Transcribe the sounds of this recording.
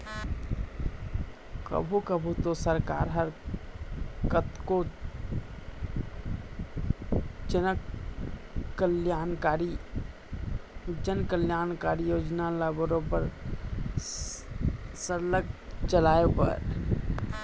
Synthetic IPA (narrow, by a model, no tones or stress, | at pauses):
kə̰bʱukəbʱut̪osəɾka̰ɾɦəɾ | kət̪ko | d͡ʒə | kəljankaɾi | d͡ʒənkəljankaɾijod͡ʒnalabəɾopəɾ | səɾləɡ̚t͡ʃəlaepə̰ɾ